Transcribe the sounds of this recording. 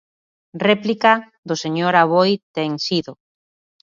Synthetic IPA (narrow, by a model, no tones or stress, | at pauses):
rɛplika | ðʊseɲoɾaβojt̪eŋsiðʊ